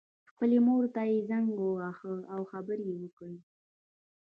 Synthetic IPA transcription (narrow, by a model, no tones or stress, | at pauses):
xpəlemoɾt̪ajezaŋɡəaxəawxabəɾjewəkəɽi